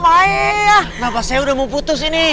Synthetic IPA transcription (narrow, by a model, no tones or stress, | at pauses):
aeanapaseudamuput̪usini